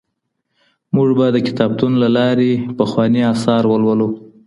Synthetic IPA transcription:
muʐbad̪əkɪ̥t̪ɑb̚t̪unlalɑɾepəxwɑniɑsɑɾwəlwəlu

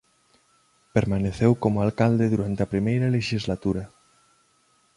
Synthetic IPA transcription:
peɾmaneθewkomʊalkald̪eðuɾant̪eɐpɾimejɾɐleʃizlat̪uɾɐ

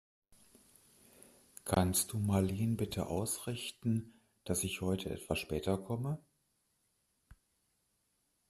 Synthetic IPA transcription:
kʰanstd̥uːmaliːnbɪtʰə̰ʔaʊsʁɪçtn̩ | d̥asɪçhɔʏtʰəʔɛ̰tv̥asʃpɛːtɐkʰɔmə

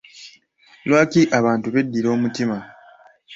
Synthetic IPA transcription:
lwaːkiʔaβaːntuβe̞dːiɾo̞ːmutima

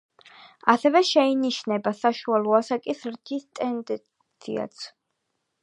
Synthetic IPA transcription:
asɛvɛʃɛiniʃnɛbasaʃualˠɔasakʼisɾt̪ʰist̪ʼɛnd̪ɛ | t̪sʰḭa̰t̪sʰ

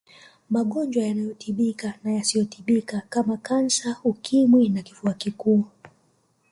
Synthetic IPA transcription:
maɠɔnd͡ʒwajanajɔtʰiɓikanajasijɔtiɓikakamakansaukʰimwinakifuakikuː

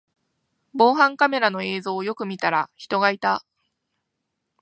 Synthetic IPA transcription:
bo̞ːɦãŋkame̞ɾano̞e̞ːzo̞ːjo̞kɯ̟mʲit̪aɾaçi̥t̪o̞ɡait̪a

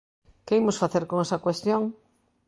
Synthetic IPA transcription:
keimosfaθeɾkoŋɛsɐkwest̪joŋ

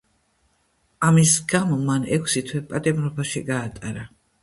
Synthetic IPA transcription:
amisɡamɔmanɛkʷʰsit̪ʰwɛpʼat̪ʼɛmɾɔbaʃiɡaːt̪ʼaɾa

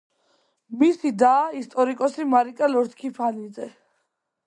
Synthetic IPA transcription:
misid̪aːist̪ʼɔɾikʼɔsimaɾikʼalɔɾt̪kʰipʰanid̪zɛ

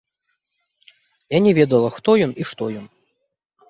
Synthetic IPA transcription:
janʲɛvʲɛd̪ɐlˠɐxt̪ɔjɔniʂt̪ɔjɔn

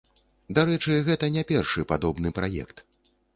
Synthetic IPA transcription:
d̪aɾɛt͡ʂɨɣɛt̪ɐnʲɛpʲɛrʂɨpad̪ɔbnɨpɾajɛ̰kt̪

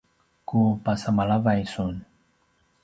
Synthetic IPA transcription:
kupasamalavajsun

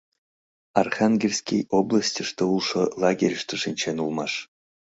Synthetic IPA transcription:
arχaŋɡʲelʲsʲkʲḛjoblˠasʲtʲiʂt̪ɤulˠʂɤ̆lˠɑɡʲerʲʂt̪ɤ̆ʂinʲt͡ɕenulˠmɑʂ

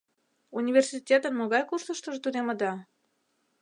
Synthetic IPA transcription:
unʲivʲersitʲet̪ənmoɣɑjkuʃt̪əʃt̪ə̆ʒet̪ud̪eməd̪ɑ

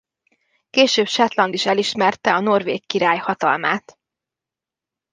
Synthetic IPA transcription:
keːʃøːbʃɛt̪lɒnd̪iʃɛliʃmɛrt̪ɛɒno̞rveːkːiɾaːjhɒt̪ɒ̰lmaːt̪

